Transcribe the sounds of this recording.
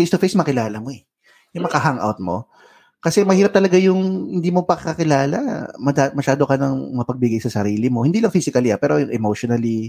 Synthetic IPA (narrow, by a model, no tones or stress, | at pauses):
fejst̪ofejsmɐkɪlaːlɐmo̞ɛ | jʊŋmɐkɐɦaŋʔa̰wt̪̚mo̞̰ | kɐsɛmɐhiːɾɐp̚t̪ɐlɐɡajʊŋhɪnd̪iːmopɐkɪkɐkɪlaːlɐ̰mɐd̪amɐʃaːd̪okɐnɐŋmɐpɐɡ̚bɪɡajsɐsɐɾiːlɪmo̞hɪnd̪iːlɐŋfiːsɪkɐlia̰pɛːɾojʊŋʔɛmowʃonɐli